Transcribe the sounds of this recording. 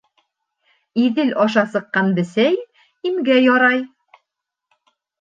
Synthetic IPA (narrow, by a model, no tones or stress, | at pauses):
iðɘlʔɒʃɑsɤ̆qːɑnbɘ̆sæj | imɡæjɒɾɑj